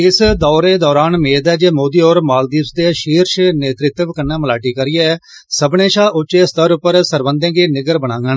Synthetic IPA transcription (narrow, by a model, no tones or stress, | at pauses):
ɪsd̪ɔːɾeːd̪ɔːɾaːnmeːd̪ɛːd͡ʒeːmoːd̪iːɔːɾmaːld̪iːsd̪eːʃiːɾʃneːt̪ɾɪt̪əʋkənːɛ̃ːməlaːʈiːkəɾiːe | səbneːʃaːʔʊt͡ʃeːst̪əɾʊpːəɾsəɾbənd̪ẽːɡeːnɪɡəɾbəñãːŋɡə